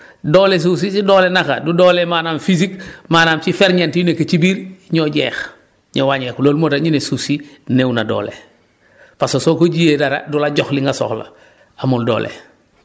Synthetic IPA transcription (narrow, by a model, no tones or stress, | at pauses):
doːles̬us̬isidoːlenaka̰dudolemaːnaːmfis̬ikmaːnaːmt͡ʃifeɾɲentijunekat͡ʃibiɾɲoɟḛːx | ɲowaɲeːxloːlmodaɲinesusinewnado̰ːlḛ | pasosokoɟiedaɾa̰dulaɟoxliŋɡaso̰xla̰ | amuldo̰ːlʔḛ